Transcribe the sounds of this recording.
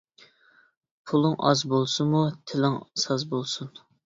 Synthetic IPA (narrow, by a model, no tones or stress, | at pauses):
pʰulˠɨŋʔɑ̰zbolˠsunmut̪ʰɪlɪŋsɑzbolˠsun